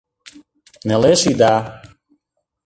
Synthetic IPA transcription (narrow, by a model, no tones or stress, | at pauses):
nɛlɛʃid̪a